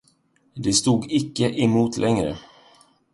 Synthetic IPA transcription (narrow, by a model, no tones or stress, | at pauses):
d̪ɛst̪uːɡɪkːəʔɛmuːt̪ʰlʔɛŋɾə̰